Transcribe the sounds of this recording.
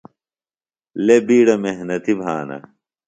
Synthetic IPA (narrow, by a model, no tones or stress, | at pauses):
lebiːɽɐmeɦnɐt̪ibʱaːnɐ̰